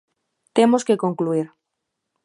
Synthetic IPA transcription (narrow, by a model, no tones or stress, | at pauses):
t̪emoskekoŋkluiɾ